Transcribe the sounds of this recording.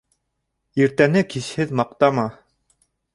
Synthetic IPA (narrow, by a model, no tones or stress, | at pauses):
iɾt̪ænɘkiʃhɘðmɑq̚t̪ɑmɑ